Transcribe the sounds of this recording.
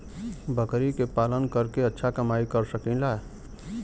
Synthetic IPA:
bʱəkɾikepalənkəɾkeətːʃʰakəmaikəɾsəkĩla

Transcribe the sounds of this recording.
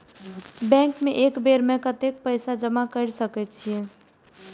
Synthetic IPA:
bɛ̃ŋkmẽʔekbeɾmẽkət̪ek̚pəɪsad͡ʒəmakəɾsəkɛt̪t͡ʃʰie

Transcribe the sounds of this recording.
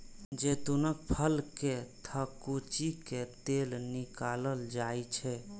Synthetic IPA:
d͡ʒet̪onək̚pʰəlket̪ʰəkot͡ʃiket̪elnikaləld͡ʒajt͡ʃʰɛ

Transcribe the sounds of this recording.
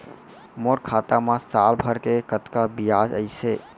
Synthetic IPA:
moɾkʰat̪amãsalbʱəɾkekət̪kabijad͡ʒəɪse

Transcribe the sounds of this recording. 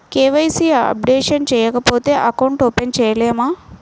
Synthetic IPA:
keːʋɐjsiɐ̰p̚ɖeːʂɐnt͡ʃɛːjɐkɐpo̞ːt̪e̞ːʔɐkɐwɳʈoːpent͡ʃɛːjɐleːmaː

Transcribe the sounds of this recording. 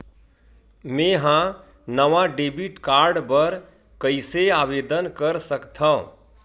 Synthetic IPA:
mẽɦã | nəʋaɖebiʈkaɾɖbəɾ | kəɪseaːʋeːd̪ənkəɾsəkt̪ʰã̰

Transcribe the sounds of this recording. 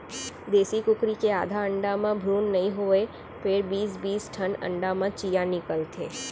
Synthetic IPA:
d̪eːsikʊkɾikeaːd̪ʱaəɳɖamãbʱɾuːnːəɦĩɦoe | pʰeɾbiːsbiːsʈʰənə̰̃ɳɖamãt͡ʃijanɪkəlt̪ʰḛː

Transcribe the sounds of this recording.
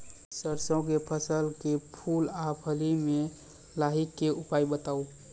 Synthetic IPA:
səɾsõkepʰəsəlkepʰulapʰəlimẽ | laɦikːeʊpaibət̪au

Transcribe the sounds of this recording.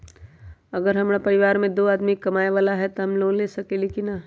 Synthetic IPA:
ɐɡəɾɦɐmɽapɐɾɪʋaːɾmẽd̪oːaːd̪mikɐmaːeʋaːlaɦɛt̪oɦɐmloːnleːsɐkelikina

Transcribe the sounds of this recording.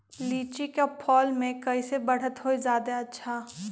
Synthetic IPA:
liːt͡ʃikapʰɔːlmẽkɐisebəɽ̤ət̪ɦoid͡ʒaːd̪aɐtːʃʰaː

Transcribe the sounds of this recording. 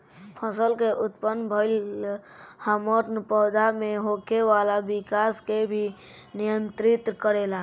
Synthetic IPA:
pʰəsəlkeʔʊt̪pənːbʱəɪl | həmɔɾnəpəːd̪ʱameɦokeʋalabikaskebʱi | nijənt̪ɾit̪kəɾela

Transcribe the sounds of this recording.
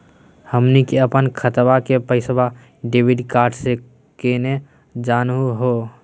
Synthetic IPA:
həmnikeəpənkʰət̪bakepəɪsba | ɖeːbiɖkaːɾɖse | kene | d͡ʒaːnɦuɦo

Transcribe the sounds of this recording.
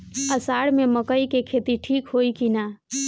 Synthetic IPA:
əsaɽmeməkəikekʰet̪iʈʰikɦoikina

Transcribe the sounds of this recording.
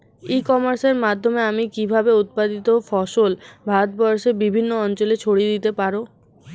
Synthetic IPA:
ikɔmaɾseɾmad̪ʱːomeamikibʱabeut̪̚pad̪it̪ofɔʃolbʱad̪̚bɔoʃebibʱinːoɔnt͡ɕolet͡ɕʰoɽid̪it̪epaɾo

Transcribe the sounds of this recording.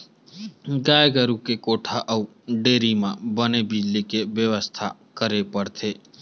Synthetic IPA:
ɡajɡəɾukekoʈʰaʔəu | ɖeɾimãbənebɪd͡ʒlikeʋjəʋəst̪ʰakəɾepəɽt̪ʰe

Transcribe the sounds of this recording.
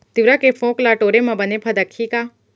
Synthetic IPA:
t̪ɪʋɾakefʰõːklaʈoːɾemɐ̃bɐnepʰɐd̪ɐkʰːika

